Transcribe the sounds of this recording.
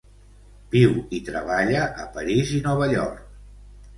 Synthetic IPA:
biwit̪ɾəβaʎəʔəpəɾizinɔβəʎɔ̰ɾk̚

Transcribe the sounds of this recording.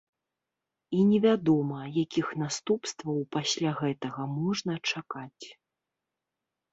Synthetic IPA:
inʲɛvʲad̪ɔmɐjakʲixnast̪upst̪vɐwpasʲlʲaɣɛt̪ɐɣɐmɔʐnɐt͡ʂakat͡sʲ

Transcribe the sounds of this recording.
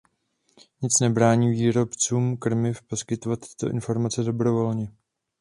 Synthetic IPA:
ɲɪt͡snɛbɾaːɲiːviːɾo̞pt͡suːmkr̩mɪfpo̞skɪt̪ovat̪ːɪ̥t̪o̞ʔɪnfo̞ɾmat͡sɛdo̞bɾo̞vo̞lɲɛ

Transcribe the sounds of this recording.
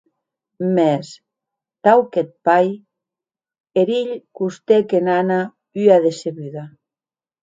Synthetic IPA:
mes | t̪awket̪̚paj | eɾiʎkust̪ekenana | yaðeseβyða

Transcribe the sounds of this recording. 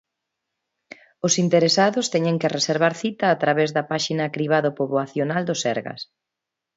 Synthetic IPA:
ʊsint̪eɾesaðʊst̪ɛɲeŋkereseɾβ̞aɾθit̪ɐːt̪ɾaβezðɐpaʃinɐkɾiβ̞aðʊpoβoaθjonald̪osɛ̰ɾɣɐ̰s

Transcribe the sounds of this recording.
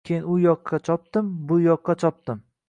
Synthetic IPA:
kʲʰejɪnʊjɒqʰːɑt͡ʃʰɒp̚t̪ɪmbʊjɒqːɑt͡ʃʰɒp̚t̪ɪm

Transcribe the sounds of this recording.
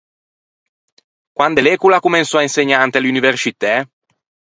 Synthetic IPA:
kwand̪elekulakumensɔainseɲːant̪eluniversit̪ɛ

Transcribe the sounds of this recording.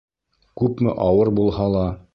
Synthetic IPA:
kʉpmɘ̰ʔɑwɤɾbulˠhɑlˠɑ

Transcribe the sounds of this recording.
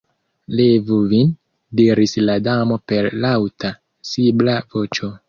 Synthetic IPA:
levuvin | diɾisladamo̞pe̞ɾlawta | siblavo̞t͡ʃo̞

